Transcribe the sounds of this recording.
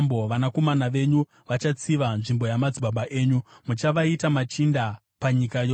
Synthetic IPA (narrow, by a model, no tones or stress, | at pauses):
mboʋanako̞manaʋe̞ɲu | ʋat͡ʃat͡siʋanʐimbo̞jamad͡ziɓaɓaʔe̞ːɲumut͡ʃaʋaitamat͡ʃinda | paɲikajoː